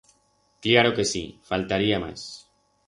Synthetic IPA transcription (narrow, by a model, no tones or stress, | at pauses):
klaɾoke̞sḭfalt̪aɾiama̰s